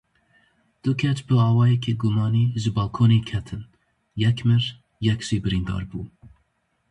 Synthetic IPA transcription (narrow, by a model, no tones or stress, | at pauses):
d̪̥ʊkʰɛt͡ʃbɨɑːwɑːjɛkʰeːɡʊmɑːniːʒɨbɑːlkʰoːnekʰɛt̪ʰɨn | jɛkmɨɾ | jɛkʒ̥iːbɨɾiːnd̪ɑ̰ːɾbṵː